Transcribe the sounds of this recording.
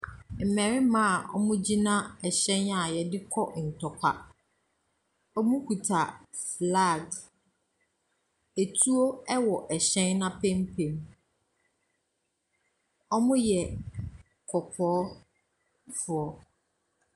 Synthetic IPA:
m̩˨mɛ̃˨ɾɪ˦mã˦a˨ʔɔ̰˦mʊ̃˦d͡ʑi˦nã˦ɛ˨ɕɛ̃˦na˨jɛ˨dɪ˦kʰɔ˦n̩˨tʰɔ˨kʷʰa˦ | ɔ˦mũ˦kʰu˨tʰa˨fla˦˨ɡ | e˨tʰu˦o˦ɛ˦wɔ˨ʔɛ˨ɕɛ̃˦nːã˦pʰɛ̃˦m˦pʰẽ˨m | ɔ˦mʊ̃˦jɛ˨ | kʰɔ˨pʰɔː˨˦ | fʊ˨ɔ˦

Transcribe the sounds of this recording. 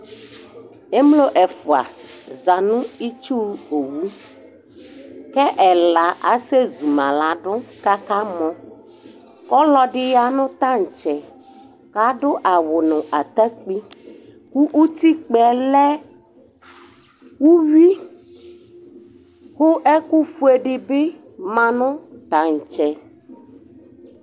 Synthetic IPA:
e˦mlo˦ʔɛ˨fo˨a̰˨za˨nũ˦i˦t͡ʃu˦ho˨wu˦ | kɛ˦ʔɛ˨la˨ʔa˨se˦zu˨mã˨la˨ɖʊ˦ka˦ka˦mɔ̃˦ | kɔ˦lɔ˦ɖɪ˦ja˦nʊ̃˦t̪ã˦ŋ̩˨t͡ʃɛ˨ | ka˦ɖʊ˦ʔa˨wo˨nʊ̃˨ʔa˨t̪ɛ˦k͡pi˦ | ku˦ʔu˦t̪i˦k͡pɛ˨lɛ˦ | wu˦wi˦ | xo˦ʔɛ˦ku˦fu˦e˨ɖɪ˨be˦ | mã˨nʊ̃˦t̪a˨ŋ̩˨t͡ʃɛ˨

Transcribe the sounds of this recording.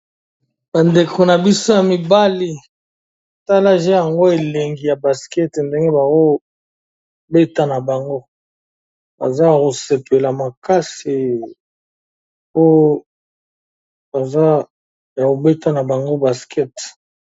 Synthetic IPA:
ba˨nde˨kʰo˨na˨bi˦so˦ja˨mi˨ba˦li˦˨ | ta˦la˦ʒẽ˦ja˨ŋɡo˦e˨le˨ŋɡi˨ja˨ba˨skɛ˦tnde˦ŋɡe˦ba˨ko˦ | be˦ta˦na˨ba˨ŋɡo˦ | ba̰˨za˦ko˨se˨pe˨la˨ma˨ka˦si˨ | po˦ | ba˨za˦ | a˨ko˨be˦ta˦na˨ba˨ŋɡo˦ba˨skʰɛ˦t

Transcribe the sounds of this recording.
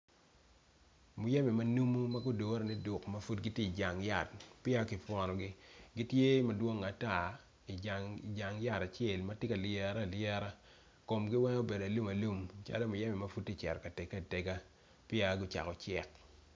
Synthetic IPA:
mʊ˨jɛ˦mɛ˨ma˦nu˦mu˦ma˦ɡʊ˦do˨˦ɾe˨nɪ˦dʊ˨kma˦fu˦tɡi˦tje˦i˨d͡ʒa˨ŋja˨t̚pɪ˦a˦kɪ˨fwɔ˨nɔ˨ɡɪ˦ɡi˦tje˦ma˨dwo˦ŋa˨ta˦˨ | i˨d͡ʒa˨ŋ˨d͡ʒa˨ŋja˦˨ta˨t͡ʃe˦˨lma˦te˦ka˨lɛ˦ɾa˦˨ljɛ˦ɾa˦ | ko˨mɡɪ˦wɛ˦ŋo˦be˨da˨lu˦ma˨lu˦˨mt͡ʃa̰˦lo˦mʊ˨jɛ˦mɛ˨ma˦fu˦d̚te˦˨t͡ʃɛ̰˨ɾka˨te˨ɡa˦˨te˨ɡa˦ | pɪ˦a˦ɡʊ˦t͡ʃa̰˨kɔ˨t͡ʃɪ˨k̚

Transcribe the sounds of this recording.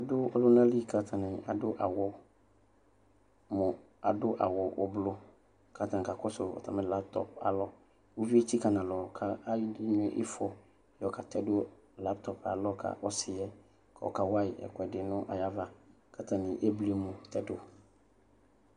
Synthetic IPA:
a˨dʊ˦ɔ˦lʊ˦nã˦li˦kʰa˨tʰã˨nɪ̃˨a̰˨dʊ˦ʔa˨wɔ˨ | mʊ̃˨ | a̰˨dʊ˦ʔa̰˨wɔ˨ʔɔ̰˨blʊ˦ | kʰa˨tã˨ŋ˨ka˨kɔ˦sʊ˨ɔ̰˨tʰã̰˨mɪ̃˦la˦p̚tʰɔ̰˦˨p̚a̰˨lɔ˦ | wo˦vi˦e˦tʰi˦ka˨nã˨lɔ˨kʰa˦a˦jɪ˦dɪ˦nʊ̃˦ʔɪ̰˦fɔ˨ | jɔ˨kʰa˨tʰɛ˦dʊ˦ | la˦ptʰɔ˨pa̰˨lɔ˦kʰa̰˨ʔɔ˦sɪ˨ɛ˦ | kʰa˨ɔ̰˨ka˨wa˦ɪ˨ɛ̰˨kʊ˨ɛ˨dɪ˨nʊ̃˦ʔa̰˨ja˦va˦ | kʰa˨tʰã˨nɪ̃˨ʔe˦bli˦mʊ̃˨tʰɛ˦dʊ˦

